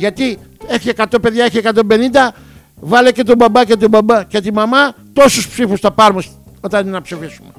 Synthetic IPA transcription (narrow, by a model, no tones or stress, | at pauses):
ʝɐt̪i | e̞çie̞kɐt̪o̞pe̞ðʝɐeçie̞kɐt̪o̞mbe̞nind̪ɐ | vɐlece̞t̪obɐbɐce̞t̪obɐbɐce̞t̪imɐmɐt̪o̞suspsifust̪ɐpɐɾmus | o̞t̪ɐnnɐpsifisume